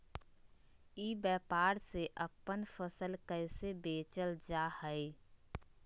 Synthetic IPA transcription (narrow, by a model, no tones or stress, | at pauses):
iːbɛːpaːɾseʔəpːənfʰəsəlkəɪsebeːt͡ʃəld͡ʒahəɪ